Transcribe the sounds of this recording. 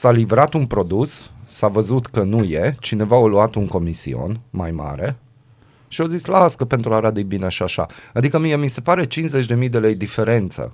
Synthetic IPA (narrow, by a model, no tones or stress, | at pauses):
salivɾat̪unpɾo̞d̪usːavəzut̪kənuje̞t͡ʃine̞vaoluat̪uŋko̞misḭo̞̰nma̰jma̰ɾe̞ | ʃiozislaskəpe̞nt̪ɾuaɾad̪ibineʃiaʃa̰ad̪ikəmijemise̞paɾe̞t͡ʃinze̞t͡ʃʲd̪e̞mijd̪e̞le̞jd̪ife̞ɾe̞nt̪sə̰